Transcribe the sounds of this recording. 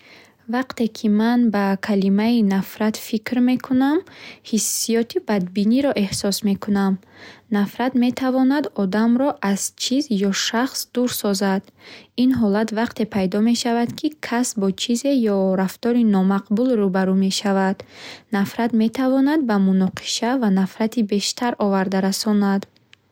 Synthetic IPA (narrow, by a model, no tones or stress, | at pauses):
vaqt̪e̞kʰimanbakʰalimainafɾat̪fikɾme̞kʰunamhisːijɔt̪ʰibad̪biniɾɔʔe̞hsɔsme̞kʰunamnafɾad̪me̞t̪ʰavɔnad̪ɔd̪amɾɔʔaz̥t͡ʃʰizjɔʃaχsd̪uɾsɔzad̪inɦɔlat̪vaqt̪e̞pʰajd̪ɔme̞ʃavad̪kʰikʰasbɔt͡ʃʰize̞jɔɾaft̪ɔɾinɔmaqbulrubaɾume̞ʃavad̪nafɾat̪me̞t̪ʰavɔnad̪̚bamunɔqʰi̥ʃavanafɾat̪ʰibe̞ʃt̪ʰaɾʔɔvaɾd̪aɾasɔnad̪